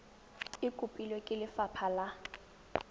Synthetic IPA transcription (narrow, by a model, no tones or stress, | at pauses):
ɪkʼupʼilekʼɪlɪfapʰala